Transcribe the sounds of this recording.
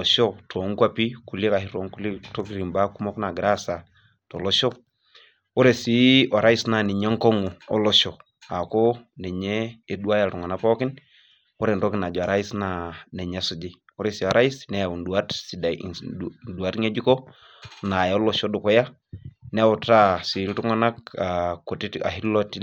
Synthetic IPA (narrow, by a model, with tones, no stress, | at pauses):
lɔ˨ʃɔ˦tʰɔ˨˦ŋkwa˦pi˦ku˨li˦ka˨hi˨ɾo˨˦ŋku˦li˦to˦ki˦ɾi˨mba˦ku˦mɔ˦kna˨ɡɾa˦sa˨ | tɔ˨lɔ˦ʃɔ˦ | o˦ɾe˨si˦a˨ɾa˦i˦sna˨ni˨ɲa˦ŋkɔ˦ŋu˨ɔ̰˦lɔ˦ʃɔ˨ | a˨ko˦nɛ˨ɲeː˦˨du˦a˦ja˨ɾu˨ŋa˨na˨pɔ˦kɪ˦n | u˦ɾe˨nɾo˦ki˦na˨d͡ʒɔ˨a˨ɾa˦i˦sna˨ne˨ɲa˦su˨d͡ʒi˦ | u˦ɾe˨si˨a˨ɾa˦i˦snɛ˦ja˨wu˨ndu˨a˦tsi˨da˨ | du˨a˨˦tŋe˦d͡ʒi˦ko˦ | na˨jo˦lo˦ʃo˦du˨kɔ˦ja˦ | nɛ˦o˨ta˦si˨˦tu˦ŋa˦na˦ka˨ko˨ti˦a̰˨hi˦lo˦ti˦